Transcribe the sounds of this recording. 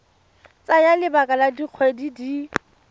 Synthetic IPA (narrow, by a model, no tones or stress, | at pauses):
t͡sajalɪbakʼaladiq͡χʰwedidi